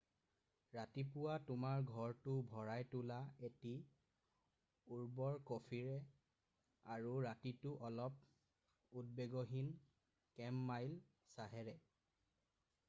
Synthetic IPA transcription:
ɹatipʊwatʊmaɹɡʱɔɹtʊbʱɔɹajtulaeti | uɹbɔɹkopʰiɹɛ | aɹuɹatitʊʔɔlɔp̚ | ud̚beɡoɦin | kɛmːajl | saɦɛɹɛ

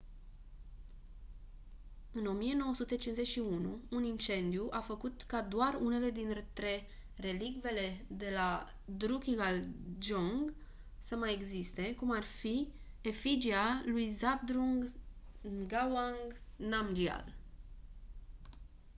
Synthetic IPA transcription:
ɨno̞mije̞no̞wəsut̪e̞t͡ʃinze̞t͡ʃʲʃiunuːnint͡ʃe̞nd̪ijuʔafəkut̪kad̪oarune̞le̞d̪int̪ret̪ɾe̞ | re̞likve̞le̞d̪e̞la | d̪ɾukʲiɡald͡ʒoŋɡ | səmajeɡzist̪e̞kumarfi | e̞fid͡ʒialujzab̚d̪ɾuŋɡ | ɡawaŋɡnamd͡ʒia̰l

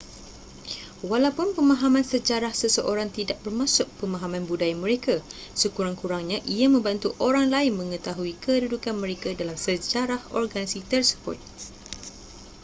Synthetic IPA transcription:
walapʊnpəmãɦamãnsəd͡ʒaɾahsəsəʔoɾaŋt̪idaʔ̚bərmãsʊk̚pəmãɦamãnbudajamə̃ɾekasəkuɾaŋkuɾaŋɲãʔiamə̃mbant̪uʔoɾaŋlaɪnmə̃ŋə̃t̪aɦuikədudukanmə̃ɾekadalamsəd͡ʒaɾahɔ̰rɡanisit̪ərsə̥bʊ̰t̪̚

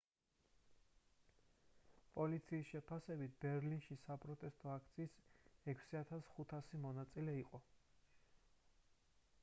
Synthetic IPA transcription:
pʼɔlit̪sʰiːsʃɛpʰasɛbit̪̚ʰbɛɾlinʃisapʼɾɔt̪ʼɛst̪ʼɔakʰt̪sʰiːsɛkʰsiat̪ʰasχut̪ʰasimɔnat̪sʼilɛiqʼɔ

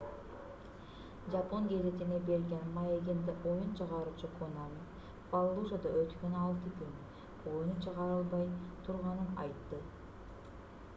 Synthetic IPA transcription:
d͡ʒɑp̪qɑŋɡe̞zet̪inebe̞ɾɡʲe̞nmɑjeɡʲend̪iʔojunt͡ʃʰɯʁɑɾuːt͡ʃukʰonami | pɑlˠːuʒad̪ɑʔøt̪kønɑlˠt̪ɯkyn | o̞junut͡ʃʰɯʁɑɾɯlˠbɑjt̪ʰuɾʁɑnɯnɑ̰jt̪ːɯ

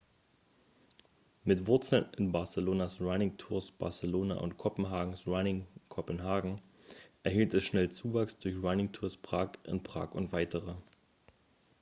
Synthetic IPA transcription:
mɪtv̥ʊɐt͡sl̩nɪnbaɐsəloːnasʁanɪŋtʰuːɐsb̥a̰ɐsəloːna̰ʔʊ̰ntkʰɔpn̩ɦaːɡŋ̩sʁanɪŋkʰɔpənɦaːɡŋ̩ | ʔɛɐɦiːltɛsʃnɛlt͡suːvaksd̥ʊɐçʁanɪŋtʰuːɐspʁ̥aːkʔɪ̰npʁ̥a̰ːkʊntv̥aɪtəʁə

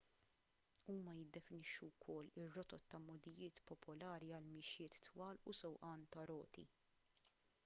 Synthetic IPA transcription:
uːmɐjɪd̪ːɛfɪnɪʃːuwkʰɔlːɪrːɔt̪ɔt̪ːɐmːɔd̪ijɪːt̪pɔpɔlɐːɾiɐlmɪʃjɪːt̪ːwɐːlṵsɔwʔɐːnt̪ɐɾɔ̰ːt̪ʰḭ

